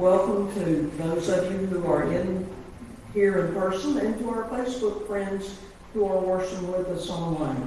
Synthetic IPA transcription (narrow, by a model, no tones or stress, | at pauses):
wɛlˠkə̃mtʰɨðoʊzʌvjɨhuə˞ʔɪ̃n | hiɹɨ̃npʰɜ˞sə̃nɨ̃ntəaʊə˞feɪsb̥ʊkfɹɛ̃ndz̥ | huə˞wɜ˞ʃə̃ŋwɪðʌsɔ̃nlãɪ̃n